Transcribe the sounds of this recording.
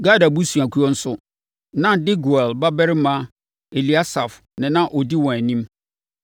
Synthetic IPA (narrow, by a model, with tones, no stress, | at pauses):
ɡa˦da˨bu˦su˨a˨kʰu˦ɔ˦n̩˦sʊ˦ | nã˦dɪ˦ɡu˨ɛ˨lba˦bɛ˦ɾɪ˦mã˦ | e˨li˨˦a˦sa˨f | nɪ̃˨nã˦ʔɔ˨di˦wɔ̃˨æ˨nĩ˦m